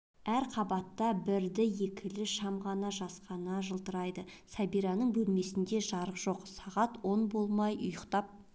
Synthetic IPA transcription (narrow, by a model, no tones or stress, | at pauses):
æɾqʰɑbɑt̪ːɑbɪɾd̪ɪje̞kʲʰɪlɪʃɑmʁɑnɑʒɑsqɑnɑʒəlˠt̪əɾɑjd̪əsæbiɾɑnəɴbɵlme̞sɪnd̪e̞ʒɑɾəqʒ̥o̞qsɑʁɑt̪wonbo̞lˠmɑjʔʊjəqt̪ɑp̚